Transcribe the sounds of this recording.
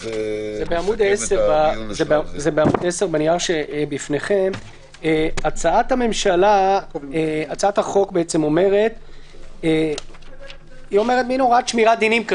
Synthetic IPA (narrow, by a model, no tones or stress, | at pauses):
zebeamud̪eseʁbazebezebeamud̪eseʁbaniaʁʃebifneχem | eat͡saat̪hame̞mʃalaeat͡saat̪haχo̞kbeet͡semo̞me̞ʁet̪ː | io̞meʁet̪̚binoʁat̪ʃmiʁad̪inimk